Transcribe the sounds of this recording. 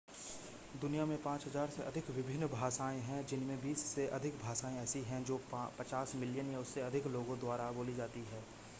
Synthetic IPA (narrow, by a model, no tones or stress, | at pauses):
d̪ʊnijamẽpãːt͡ʃɦɐzaːɾseʔɐd̪ʱɪkʋɪbʱɪnːbʱaːsaːẽɦɛ̃d͡ʒɪnmẽbiːsːeʔɐd̪ʱɪkbʱaːsaːẽɛːsiɦɛ̃d͡ʒoːpɐt͡ʃaːsmɪljənjaʊsːeɐd̪ʱɪkloːɡõd̪waːɾaboːlid͡ʒaːt̪iɦɛː